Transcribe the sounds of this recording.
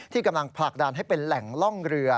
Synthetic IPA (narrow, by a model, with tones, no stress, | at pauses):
t̪ʰiː˥˩ka˧mla˧ŋpʰla˨˩k̚da˧nɦa˥˩jpe˧nlɛ˨˩˦ŋlɔ˥˩ŋɾɯ˧ɐ